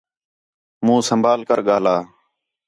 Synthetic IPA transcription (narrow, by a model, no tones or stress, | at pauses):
mũːsəmbʱaːlkəɾɠaːlaː